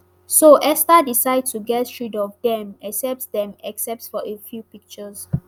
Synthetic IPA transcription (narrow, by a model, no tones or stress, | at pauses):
soʔɛstadisaɪd̚tuɡɛttɹidɔfdɛ̃mɛksɛp̚tdɛ̃mɛksɛp̚tfɔʔefjupik̚t͡ʃəs